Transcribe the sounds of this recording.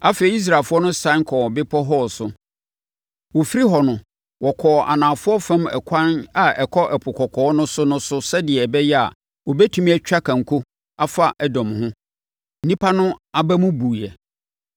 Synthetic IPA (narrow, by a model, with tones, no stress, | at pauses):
a˦fe˨i˨˦i˦s̬ɾaː˨fʊ˦ɔ˦nʊ̃˦sã˦ŋ˦kʰɔ˨bɪ˦pʰɔ˦ɦɔ˦sʊ˨ | wɔ˨fi˦ɾi˦ɦɔ˨nʊ̃˦ | wɔ˨kʰɔː˨ʔa̰˨nãː˨fʊ˦ɔ˦fɛ̃˦mɛ̰˨kʰã˦na˨ɛ˨kʰɔ˦ʔɛ˨pʰʊ˨kʰɔ˨kʰɔː˨˦nʊ̃˦sʊ˦nʊ̃˦sʊ˦sɛ˦dɪ˨ɛ˨bɛ˦jɛ˦a̰˨ | wɔ˨bɛ˦tʰũ˦mĩ˦ɛ˦t͡ɕᶣa˦kʰã˨ŋ̩˨kʰu˦ | a˦fa˦ʔɛ˦dɔ̃˨mhʊ̃˦ | n̩˨nĩ˦pʰa˦nʊ̃˦a˨bæ˦mũ˦buː˨jɛ˨